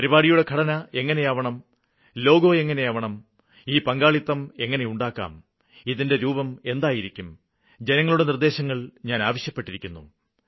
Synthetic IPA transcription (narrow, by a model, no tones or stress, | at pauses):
pɐɾibaːɽijuɽe̞kʰɐɽɐnɐe̞ŋːɐne̞jɐʋɐɳɐm | lo̞ːɡo̞ːe̞ŋːɐne̞jɐʋɐɳɐm | iːpɐŋɡaːɭit̪ːɐme̞ŋːɐne̞juɳɖaːkːa̰ːm | iðinde̞ɾuːbɐme̞nd̪aːjiɾikʲːum | d͡ʑe̞nɐŋːɐɭuɽe̞nird̪e̞ːɕɐŋːɐɭɲaːnaːʋɐɕjɐpːe̞ʈːiɾikʲːunːu